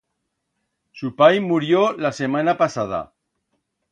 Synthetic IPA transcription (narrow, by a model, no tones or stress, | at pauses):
supajmuɾjolasemanapasað̞a̰